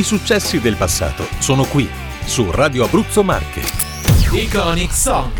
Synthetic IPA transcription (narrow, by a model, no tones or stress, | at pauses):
isut͡ʃːɛsːid̪elpasːa̰ːt̪osoːnokwi | suraːd̪joabːɾut̪sːoma̰rkʰḛ | ikɔniksɔ